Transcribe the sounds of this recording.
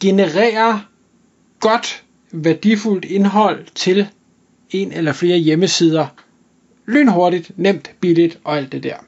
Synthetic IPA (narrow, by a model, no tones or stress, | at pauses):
ɡ̥e̝nəʁɛ̰ːɐ | ɡ̥ɒ̽d̥ | ʋæɐd̥iful̰d̥e̝nɦɒ̽l̰t͡sʰe̝l | e̝nelɐfle̝ːɐjeməsiːð̞ˠɐ | ly̰ːnɦo̝ɐɾid̥nem̰d̥b̥ilid̥ʔɒ̽æl̰d̥ːe̝d̥æɐ̰